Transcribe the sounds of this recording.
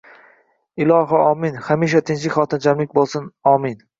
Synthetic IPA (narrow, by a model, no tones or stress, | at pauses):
ɪlˠɒːɦaʔɒːmɪnhamiːʃ̬at̪ʰɪnt͡ʃlɪkʲχɒːt̪ʰɪnd͡ʒamlɪk̚ʲbolˠsɪnɒːmɪn